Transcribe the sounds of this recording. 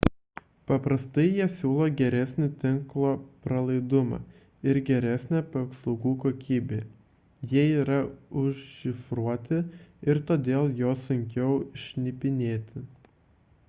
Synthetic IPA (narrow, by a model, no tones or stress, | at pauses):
pɐpɾɐst̪ɐɪjiɛsʲuːlˠoːɡʲɛɾʲɛsʲnʲɪt̪ʲɪŋklˠoːpɾɐlˠɐɪd̪ʊmɑ̰ː | ɪɾɡʲɛɾʲæsʲnʲæːpɐkslˠɐʊɡuːkoːkʲiːbʲeː | jiɛiːɾɐʊʃʃʲɪfɾuɔt̪ʲɪɪɾt̪oːd̪ʲeːlˠjoːsʊŋʲkʲɛʊɪʃʲnʲɪpʲɪnʲeːt̪ʲɪ